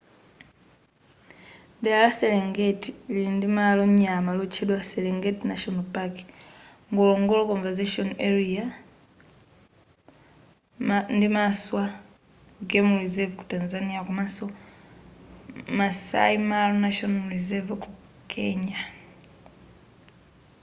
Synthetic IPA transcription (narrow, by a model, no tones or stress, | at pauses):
dɛalasɛleŋɡetilindimaloɲamalot͡ʃʰeɗwasɛleŋɡetnaʃɔnapak | ŋɡɔlɔŋɡɔlɔkɔɱvazeʃɔnɛɾia | ndimaswa | ɡemuɾizɛvku̥tanzanijakumasɔ | masa̰imalɔnaʃɔnmuɾizɛvku | kʰɛɲa